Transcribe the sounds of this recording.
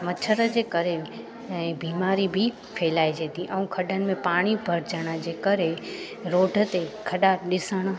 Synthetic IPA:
mət͡ʃʰəɾəd͡ʑeːkəɾe | biːmaːɾibʱi | pʰeːlaːid͡ʒeːt̪ĩʔɐũkʰəɖənɪ̆mẽpaːɽ̃ibʱəɾd͡ʒəɽ̃ad͡ʑeːkəɾe | ɾoːɖʱət̪ekʰəɗaɗɪsəɽ̃

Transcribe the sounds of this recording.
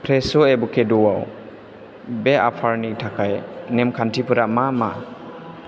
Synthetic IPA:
pʰɾesɔebukʰedɔwaw | beapʰaɾnitʰakʰajnemkʰantʰipʰɯɾamama̰

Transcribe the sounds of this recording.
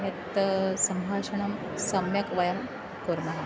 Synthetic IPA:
ɦɐt̪sɐmbʱaːʂɐɳɐm | sɐmjɐkʋɐjɐm | puɾmɐɦɐ

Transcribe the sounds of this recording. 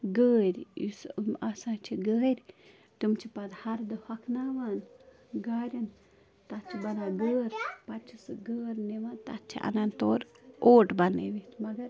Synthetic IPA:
ɡəːɾʲḭsmasãːt͡ʃʰiɡəːɾʲ | t̪umt͡ʃʰipɐd̪hɐɾd̪ɨhɐkʰnaːʋaːn | ɡaːɾʲɐn | t̪ɐtt͡ʃʰibɐnaːɡəːɾpɐt͡ʃʰisɨɡəːɾniʋant̪ɐ̰tt͡ʃʰḭʔɐ̰nant̪oːɾoːʈbɐnḛʋit̪ʰmɐɡɐɾ

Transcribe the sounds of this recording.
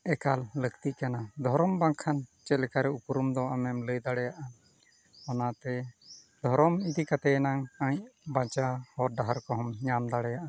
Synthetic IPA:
ɛkalːəkt̪iʔkanad̪ʱɔɾɔmbaŋkʰant͡ʃɛlɛkaɾɛupuɾumd̪ɔaʔamɛmləjd̪aɽɛjaʔa | ɔnat̪ɛ | d̪ʱɔɾɔmid̪ikat̪ɛnaŋãɲbat͡ʃahɔɾɖaɦaɾkɔɦɔmɲamd̪aɽɛjaʔa

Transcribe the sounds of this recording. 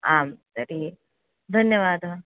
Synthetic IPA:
aːmsɐɾi | d̪ʱɐnjəʋaːd̪ɦɐ̃

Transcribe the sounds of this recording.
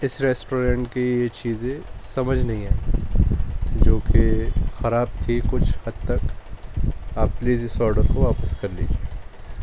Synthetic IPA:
ɪsɾeːsʈoːɾẽːɳʈkijet͡ʃiːzẽsɐməd͡ʒʱnɐɦĩɦɛ̃ː | d͡ʒoːkexɐɾaːb̚t̪ʰikʊt͡ʃʰhɐd̪t̪ɐk | aːp̚liːzɪsɔːɾɖəɾkoʋaːpəskɐɾleːd͡ʒʰeː

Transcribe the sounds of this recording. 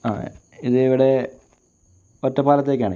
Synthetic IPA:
a̰ː | iðɨiʋiɽe̞ | otːɐpaːlɐt̪ːe̞ːk̬ʲːaːɳɨ

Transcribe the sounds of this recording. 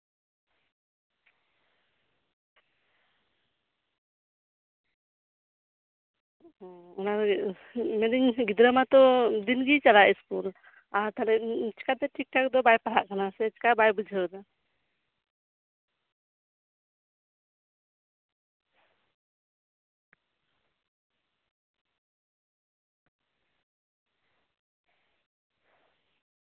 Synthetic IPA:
ɔnaɾ | mɛniɲɡid̪ɾəmat̪ɔd̪inɡit͡ʃalaʔiskul | aɾt̪alɛʔt͡ʃkat̪ɛʈik̚ʈak̚d̪ɔbajpaɽaʔkanasɛt͡ʃkabajbud͡ʒʱɛɾd̪a

